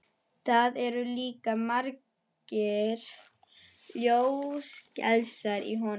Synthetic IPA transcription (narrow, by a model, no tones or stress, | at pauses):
θaðɛɾʏliːkamaɾc | ɪɾ | ljowscɛ̰ðsaɾḭɦɔn